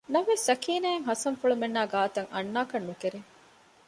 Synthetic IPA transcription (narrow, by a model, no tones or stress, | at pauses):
nɐmʋesːɐkiːnæːeŋɦɐsɐŋfuɭumenːaːɡaːt̪ɐŋɐ̰nːaːkɐnːukeɾe